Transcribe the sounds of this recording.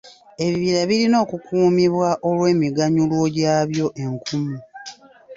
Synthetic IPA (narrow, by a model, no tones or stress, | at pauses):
e̞βiβiɾaβilino̞ːkukʰuːmiβwaʔo̞lwe̞ːmiɡaɲulwo̞ɟaːβjo̞ʔe̞ŋkʰumu